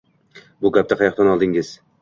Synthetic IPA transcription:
bʊɡʲap̚t̪aqʰɑjɑqt̪ɒnɒlˠd̪ɪŋɪz̥

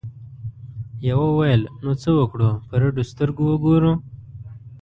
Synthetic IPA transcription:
jawawajəlnot͡səwəkɽopəɾaɖust̪əɾɡuwəɡoɾu

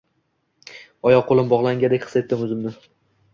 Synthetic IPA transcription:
ɒjɒqqolˠɪmbɒʁlˠaŋʲad̪ekʲχɨ̥set̪ːɪmʊzɪmnɪ

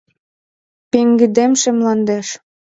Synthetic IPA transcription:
peŋɡɘ̆d̪emʃĕmlɑnd̪eʃ

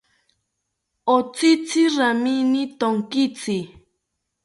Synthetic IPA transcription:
ot͡sɪt͡sɪɾaminɪt̪oŋkɪt͡sɪ

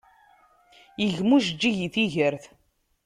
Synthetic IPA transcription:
jəʝmuʃ̬d͡ʒːiʝiθiʝəɾθ

